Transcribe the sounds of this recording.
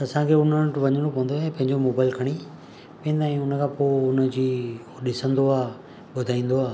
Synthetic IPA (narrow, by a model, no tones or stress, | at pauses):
ɐsãkʰeʊn̤ənʈʋɐɲəɽ̃opɐɦə̃nd̪oɛ̃pɐ̃ɦɪ̃ɲd͡ʑomoːbaːɪlkʰɐɽ̃i | pɐ̃ːnd̪aːɦĩʊnəkʰãːpoːʊnə̆d͡ʑiː | ɗɪsə̃nd̪oaː | ɓʊd̪ʱaːĩːn̆d̪oaː